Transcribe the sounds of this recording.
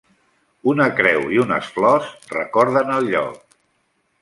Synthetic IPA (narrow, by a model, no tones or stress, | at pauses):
unəkɾɛwiunə̰sflɔsrə̰kɔɾðənəlˠʎɔ̰k̚